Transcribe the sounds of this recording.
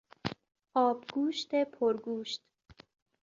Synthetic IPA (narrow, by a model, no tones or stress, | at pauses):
ɒːbɡuːʃt̪epʰoɾɡuːʃt̪